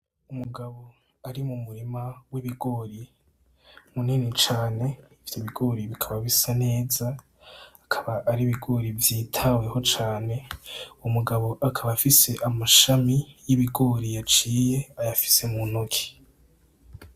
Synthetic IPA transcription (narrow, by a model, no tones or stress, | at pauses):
umuɡaβo̞ | aɾimumuɾimawiβiɡo̞ːɾi | muninit͡ʃaːne̞ | fi̥tiβiɡo̞ɾiβikʰaβaβisane̞ːzaː | kʰaβaʔːɾiβiɡo̞ɾivjiːtʰaweho̞t͡ʃaːne̞umuɡaβo̞ʔakʰaβafise̞ʔamaʃamijiβiɡo̞ːɾijat͡ʃiːje̞ajafi̥se̞munokʰi̥